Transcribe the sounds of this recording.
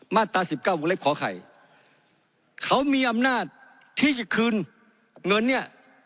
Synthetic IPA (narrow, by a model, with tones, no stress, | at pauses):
maː˧˥˩t̪ːaː˧si˨˩p̚kaː˥˩wo˧l̚kʰɔː˨˦kʰa̰˨˩j | kʰa˦˩wmiː˧ʔa˧mnaː˥˩t̪̚ʰː | iː˥˩t͡ɕa˧˩kʰɯː˧n | ŋɤ˧nːi˥˩ɐ